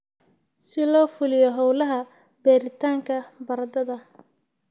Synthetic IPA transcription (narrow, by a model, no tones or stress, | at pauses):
sɪlɔːfʊlɪjɔɦɔwlɐɦɐ | bɛːɾɪt̪ʰaːŋkʰɐbɐɾɐd̪ɐðɐ